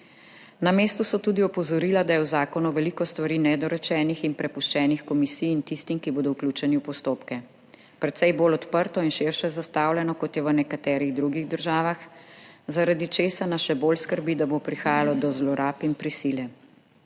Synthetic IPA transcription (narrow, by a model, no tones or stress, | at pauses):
nameːst̪usɔt̪uːd̪iɔpɔzɔɾiːlad̪ajɛwzaːkɔnuʋɛlikɔst̪ʋaɾiːnɛd̪ɔɾɛt͡ʃɛnixinpɾɛpuʃt͡ʃɛːnixkɔmisijint̪ist̪imkiboːd̪ɔwklʲut͡ʃɛniwpɔst̪oːpkɛ | pɾɛt̪sɛjboːlɔt̪pəɾt̪ɔinʃɪɾʃɛzast̪aːwlʲɛnɔkɔt̪jɛʋənɛkat̪ɛːɾiɣd̪ɾuɡiɣd̪əɾʒaːʋaxzaɾad̪it͡ʃeːsanaʃɛbolskəɾbid̪abopɾixaːjalɔd̪ɔzlɔɾaːpinpɾisilɛ